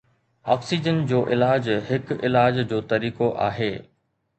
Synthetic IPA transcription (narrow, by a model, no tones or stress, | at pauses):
ɔ̰ːksid͡ʑənd͡ʑoːʔɪlaːd͡ʑɦɪkɪlaːd͡ʑd͡ʑoːt̪ɐɾiːkoʔa̰ːɦeː